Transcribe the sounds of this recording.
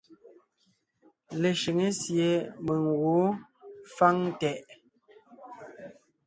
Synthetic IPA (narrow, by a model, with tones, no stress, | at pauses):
le˨ʃi˨ŋe˦sje˨me˨ŋɣo˨˦fa˦ŋtɛ˨ʔ